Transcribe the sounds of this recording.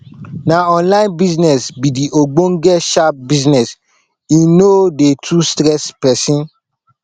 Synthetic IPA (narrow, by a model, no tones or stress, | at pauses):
nãɔ̃nlaɪ̃nbisnɛsbidiʔoɡ͡boŋ̩ɡɛʃap̚biznɛs | ĩnodetʰustɾɛspɛsĩn